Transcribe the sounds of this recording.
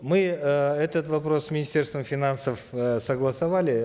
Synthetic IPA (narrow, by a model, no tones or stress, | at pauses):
mɨəɛt̪ət̪vɐpɾo̞sːmʲɪnʲɪsʲtʲe̞rst̪vəmfʲɪnansəfəsəɡlˠɐsɐvalʲɪ